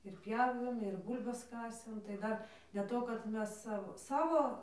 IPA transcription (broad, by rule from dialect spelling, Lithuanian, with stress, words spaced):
ɪr ˈpʲjæːʋʲeːm ɪr ˈbuːlʲbɐs ˈkɑːsʲeːm tɐɪ ˈdɐr dʲeːlˠ ˈtoː kɐt ˈmʲɛs ˈsɑːʋoː ˈsɑːʋoː